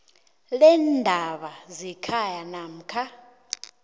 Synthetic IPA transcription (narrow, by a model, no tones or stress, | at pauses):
lɛndʱaɓazikʰajanam̩kʰa